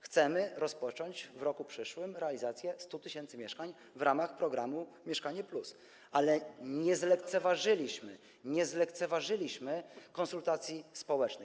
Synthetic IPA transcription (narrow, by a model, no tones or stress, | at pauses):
xt̪sɛmɘɾɔspɔt͡ʂɔɲd͡ʑvɾɔkupʂɘʂwɘmɾɛalʲizat̪sʲjɛst̪ut̪ɘɕɛnt̪sɘmʲjɛʂkaɲ | vɾamaxpɾɔɡɾamumʲɛʂkaɲɛplus | ʔalɛɲɛzlɛkt̪sɛvaʐɘlʲiɕmɘ | ɲɛzlɛkt̪sɛvaʐɘlʲiɕmɘkɔnsult̪at̪sʲjispɔwɛt͡ʂnɘ